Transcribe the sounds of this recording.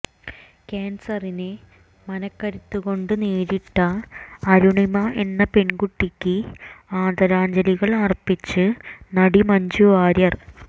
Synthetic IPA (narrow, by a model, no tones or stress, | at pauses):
kaːnsɐrine | mɐnɐkːɐɾit̪ːuɣo̞ɳɖɨneːɾiʈːɐːɾuɳimɐʔe̞nːɐpe̞ɳɡuʈːikʲːɨaːd̪ɐɾaːɲd͡ʑɐliɣɐɭɐrpit͡ɕːɨnɐɽimɐɲd͡ʑuʋaːɾjɐr